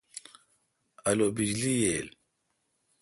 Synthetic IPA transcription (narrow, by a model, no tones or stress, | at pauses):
ɐlobid͡ʑlijel